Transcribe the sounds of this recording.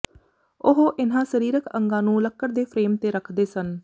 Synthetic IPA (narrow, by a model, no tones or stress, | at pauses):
ʊɦoʔɪnãːsəɾiːɾəkəŋɡãːnũːləkːəɾd̪eːpʰɾeːmt̪eːɾəkʰd̪eːsən